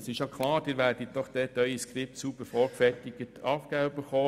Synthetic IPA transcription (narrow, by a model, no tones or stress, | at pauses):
sɪʃjokχlɑːɾd̥ɪːɾʋæːɾd̥it̚d̥ɔχd̥̪ɛːtœʏiskɾɪp̚tsubəɾfɔɾkfɛrtiɡətɑfɡ̥æbəχoː